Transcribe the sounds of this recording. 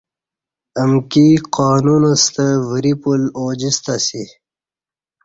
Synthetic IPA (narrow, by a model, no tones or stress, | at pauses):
əmkiqɑːnunəst̪əviɾipuloːd͡ʑist̪asi